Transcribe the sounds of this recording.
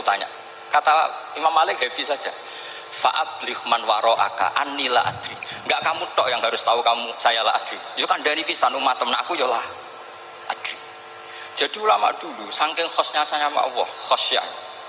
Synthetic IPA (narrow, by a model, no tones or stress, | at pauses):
t̪aɲa̰ʔ | kat̪aimamːalɪk̚ɦɛpisḁd͡ʒ̥a | fa̰ʔab̥lɪhmanwaɾɔʔa̰ka̰ʔanːilaa̰d̪̥ɾiŋɡaʔkamuʈ̪ɔʔjaŋɦaɾʊst̪aukamusajalaad̪̥ɾijokaɳɖanipisanumat̪əmnaʔakujɔlah | ʔad̪̥ɾi | d̥ʒ̥a̤d̥i̤ulama̰ʔd̥ulusaŋkɪŋxɔsɲasaɲama̰ʔwɔxɔsja̰